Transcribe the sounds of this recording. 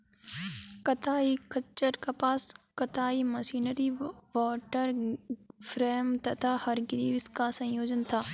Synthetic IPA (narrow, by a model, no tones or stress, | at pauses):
kɐt̪aːikɐt͡ʃːəɾkapaːskɐt̪aːimɐsiːnəɾiʋɔːʈəɾ | fʰɾeːmt̪ɐt̪ʰahɐɾɡɪɾiːʋɪskasɐ̃joːd͡ʒənt̪ʰaː